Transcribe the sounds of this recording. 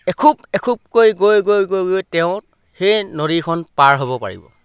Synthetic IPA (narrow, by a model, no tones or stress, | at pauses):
ɛkʰubɛkʰub̚kojɡojɡojɡojɡojtɛʊ̃t | xejnoɾikʰɔnpaɹɦobɔpa̰ɹḭbɔ̰